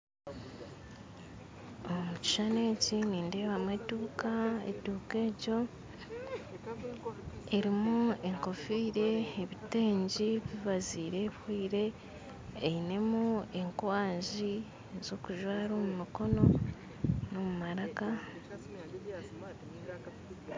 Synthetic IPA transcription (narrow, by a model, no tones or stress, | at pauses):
omuci̥ʃane̞ːciniːnde̞ːβamwetuːkaḛtuːke̞ːco̞ | eɾimue̞ŋko̞fiːɾe̞ːβite̞ːɲɟiβiβaziːɾe̞βwiːɾe̞ː | ine̞mue̞ŋkwaːɲʒi | zo̞kuʒwaːɾo̞ːmumiko̞no̞ | no̞mumaɾaka